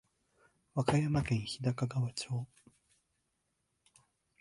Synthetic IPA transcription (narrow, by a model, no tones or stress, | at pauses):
βakajamakẽ̞ɰ̃çid̪akaɡaβat͡ɕoː